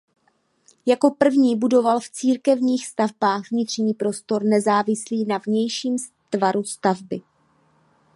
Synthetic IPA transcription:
jako̞pr̩vɲiːbudo̞valft͡siːɾkɛvɲiːxst̪avbaːxɣvɲɪt̪r̝̥ɲiːpɾo̞st̪o̞ɾnɛzaːvɪsliːnavɲɛjʃiːm | t̪vaɾust̪avbɪ

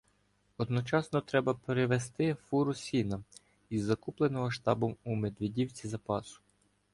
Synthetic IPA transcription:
ɔd̪nɔt͡ʃɑsnɔt̪ɾɛbɐpeɾeʋest̪ɪfuɾʊsʲinɐ | izːɐkuplˠenɔɦɔʃt̪ɑbɔmume̞d̪ʋedʲiwt͡sʲizɐpɑsʊ̥

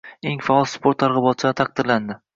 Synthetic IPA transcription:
e̞ŋfaɒlˠspoɾt̪ːʰaɾʁɨbɒt̪t͡ʃʰɪat̪ʰaq̚d̪ɪɾland̪ɪ

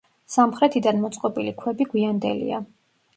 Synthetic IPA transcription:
samχɾɛt̪ʰid̪anmɔt̪sʼqʼɔbilikʰwɛbiɡwiand̪ɛ̰lḭa̰

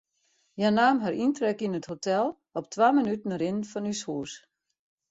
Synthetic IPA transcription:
janaːmɦaɾintrɛkinəthotʰɛlˠ | ɔp̚tʰʋaːmənytən̩əɾɪnfɔnyshuəs

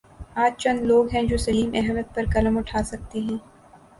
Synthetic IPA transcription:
aːd͡ʒt͡ʃɐ̃nd̪loːɡɦɛ̃d͡ʒoːsɐliːmɛɦmət̪̚pɐɾkɐləmʊʈʰaːsɐk̚t̪iɦɛ̃ː

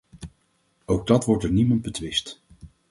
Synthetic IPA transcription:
owɡ̚dɑtʋɔɹtəɹnimɑnd̚bətʋɪst

